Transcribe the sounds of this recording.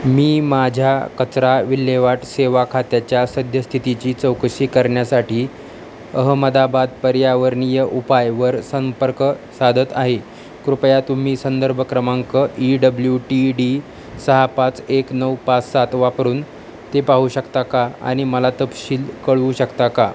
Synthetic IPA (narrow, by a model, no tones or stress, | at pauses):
miːmad͡ʑʱjakət͡sɾaʋilːeʋaʈseʋakʰat̪jat͡ɕjasəd̪ʱjəst̪ʰit̪it͡ɕiːt͡səwkɕiːkəɾɳjasaʈiː | əɦəməd̪abad̪̚pəɾjaʋəɾɳijəʔupajʋəɾsəmpəɾksad̪ʱət̪aɦe | kɾupjat̪um̤iːsənd̪əɾbʱəkɾəmaŋkəʔiɖəbljuʈiɖi | səɦapat͡seknəwpat͡ssat̪ʋapɾuːn | t̪epaɦuɕəkt̪akaa̰ɽ̃iməlat̪əpɕiːlkəɭʋuːɕəkt̪aka